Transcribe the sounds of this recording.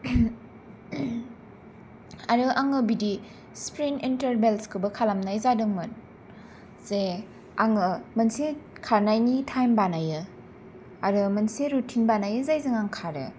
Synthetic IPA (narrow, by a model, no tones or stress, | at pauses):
aɾɯʔaŋɯbidi | spɾinintɐɾbelskʰɯbɯkʰalamnajzadɯŋmɯn | ze | aŋɯmɐnsekʰaɾnajnitʰajmbanajɯ | aɾɯmɐnseɾutʰinbanajɯzajzɯŋaŋkʰaɾɯ̰